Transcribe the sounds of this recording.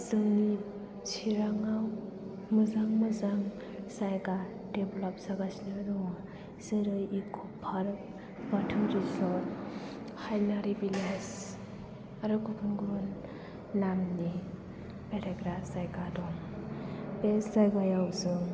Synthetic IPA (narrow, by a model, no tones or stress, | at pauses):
zɯŋni | t͡ʃʰiɾaŋaw | mɯzaŋmɯzaŋ | sajɡa | deblɔp̚saɡasinaɾɔŋ | z̥ɯɾɯjikʰupʰaɾ | batʰuɾizɔ | hajnaɾibiles | aɾɯkukʰunɡɾunː | amni | beɾeɡɾasajɡadɔŋ | beszajɡajawzɯŋ